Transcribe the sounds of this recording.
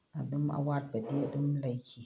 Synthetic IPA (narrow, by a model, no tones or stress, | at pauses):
aduma̰wat̚badiadɨmlajkʲi